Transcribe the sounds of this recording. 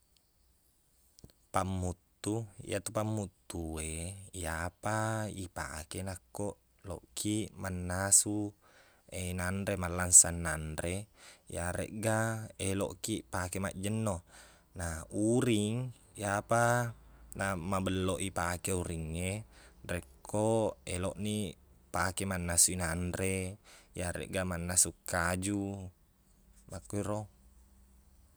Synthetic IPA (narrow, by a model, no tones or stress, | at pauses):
pamːut̪ːuḭʔat̪upamːut̪ːueijapaipa̰kenakːoʔ | lo̰ʔkimanːasu | enandemalːansanːanɾejaɾḛʔɡaelo̰ʔkiʔpakema̰ʔd͡ʒənːo | nauɾiŋ | japa | namabəlːoʔipakeuɾiŋːerekʰːoeloʔnipakemanːasuinanrejaɾḛʔɡamanːasukːad͡ʒu | makːuiɾo